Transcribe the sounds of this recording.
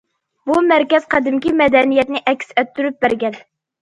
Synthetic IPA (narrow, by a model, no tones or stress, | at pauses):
bumæɾkʲɛz̥qʰɑd̪ɪmkʲimɛd̪ɛnijɛt̪nɪʔɛkʲsɛt̪ʰːyɾyp̚bæɾɡʲɛn